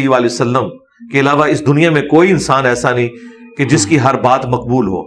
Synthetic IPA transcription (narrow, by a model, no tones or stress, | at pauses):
iʋaːlesɐlːəm | keɐlaːʋaɪsd̪ʊnijamẽkoːiɪnsaːnɛːsanɐɦĩ | ked͡ʒɪskiɦɐɾbaːt̪mɐq̚buːlɦo̰ː